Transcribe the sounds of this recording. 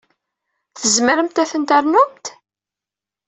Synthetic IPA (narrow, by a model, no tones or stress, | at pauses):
θəzməɾəmt̪æθənt̪æɾnʊmt̪